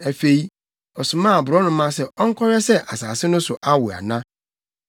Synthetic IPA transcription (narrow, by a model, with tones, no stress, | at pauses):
æ˨fe˨i˦ | ɔ˨sʊ˨mã˦˨bʊ˨ɾɔ˦nʊ̃˨˦mã˦sɛ˦ʔɔ˦ŋ̩˦kʰɔ˦ɾɛ˦sɛ˦ʔa˨saː˨sɪ˦nʊ̃˦sʊ˨ʔa˦wʊ˨a̰˨nã˦